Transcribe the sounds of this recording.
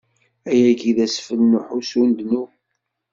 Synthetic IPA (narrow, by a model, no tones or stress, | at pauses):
æjæɡiðæsfəlːʊħusund̪nu